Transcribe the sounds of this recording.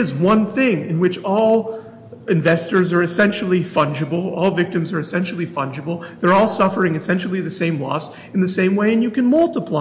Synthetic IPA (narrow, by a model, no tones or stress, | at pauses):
ɨzwʌ̃nθɪ̃ŋɪ̰̃nwɨt͡ʃɔlˠ | ɨ̃ɱvɛstə˞zə˞ɨsɛ̃nʃl̩ˠifʌ̃nd͡ʒɨbl̩ˠɔlˠvɪk̚tɨ̃mzə˞ɨsɛ̃nʃl̩ˠifʌ̰̃nd͡ʒɨbl̩ˠðə˞ɔlˠsʌfə˞ɪ̃ŋɨsɛ̃nʃl̩ˠiðɨsẽɪ̃mlɔ̰s | n̩ðɨsẽɪ̃mweɪɨ̃njɨkɨ̃nmʌlˠtəpʰl̥a